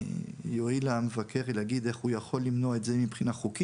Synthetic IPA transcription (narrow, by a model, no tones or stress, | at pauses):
joilamevakʰe̞ʁeleaɡid̪e̞χujaχo̞lːimno̞aetze̞mipχinaχuki